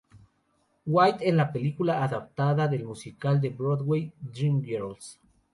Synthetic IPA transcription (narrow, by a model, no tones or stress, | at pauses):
wajt̪ezlapelikulaːðap̚t̪aðaðelmusikald̪e̞bɾoðwejd̪ɾimɡeɾals